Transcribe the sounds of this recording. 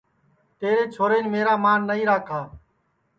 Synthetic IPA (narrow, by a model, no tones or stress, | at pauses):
t̪eːɾeːt͡ʃʰoːɾeːnmeːɾaːmaːnːəĩːɾaːkʰaː